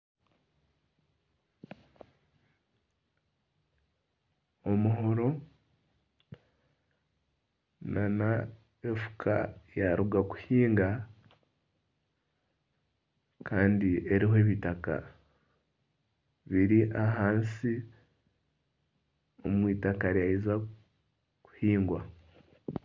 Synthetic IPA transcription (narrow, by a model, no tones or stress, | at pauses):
omuɦo̞ɾo̞ | nana | efu̥kʰa̰jaɾuɡaku̥hiːŋɡa | kaːndie̞ɾiɦoe̞ːβitaka̰ | βiɾiʔaɦaːnsi | o̞̰mwiːtakaɾjaiza | ku̥hiːŋɡwa̰